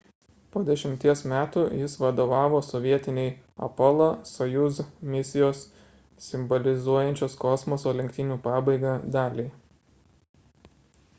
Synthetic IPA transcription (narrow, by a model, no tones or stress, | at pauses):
poːd̪ʲɛʃʲɪmʲt̪ʲiɛsmʲæːt̪uːjɪsʋɐd̪oːʋɑːʋoːsɔʋʲiɛt̪ʲɪnʲɛɪɐ̰pɔlˠɐsɔjuzmʲɪsʲɪjoːs | sʲɪmbɔlʲɪzuɔjɛnʲt͡ʃʲoːskɔsmɔsoːlʲɛŋʲk̚ʲt̪ʲɪnʲuːpɑːbɐɪɡɑd̪ɑːlʲɛɪ